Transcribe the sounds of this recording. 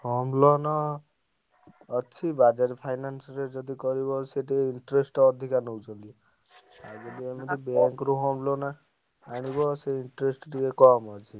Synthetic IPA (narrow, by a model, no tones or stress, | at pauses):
hɔmlɔnɔ | t͡ʃʰibad͡ʒaɾipʰajnansɔɾed͡ʒɔd̪ikɔɾibɔseʈiiɳʈɾesʈɔd̪ʱikanɦɔwt͡ʃʰɔnt̪i | abɔd̪iemit̪ibeŋkɾuɦɔmlona | aɽ̃ibɔseiɳʈɾesʈʈikekɔmɔt͡ʃʰi